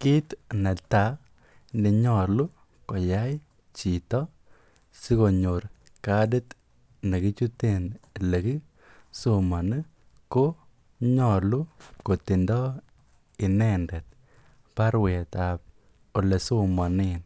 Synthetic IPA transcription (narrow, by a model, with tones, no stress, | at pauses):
kɪ˦t̪nɛ˨ta˨˦ | nde˨ɲɔ˦˨lu˦ | kɔ˨ja˦j | t͡ʃi˨t̪ɔ˦ | si˦ko˨ɲo˨ɾ | ka˨de˦t̪ | ne˨ki˦t͡ʃu˦te˦˨n˨le˨ki˦ | so˦ma˨ni˦ | ko˦ | ɲɔ˦˨lu˦ko˨t̪i˨ndɔ˦ | ɪ˨nɛ˦ndɛ˨t̪̚ | pa˦ɾwɛ˨t̪a˨p̚ | o˨le˨so˦ma˨nɪ˦n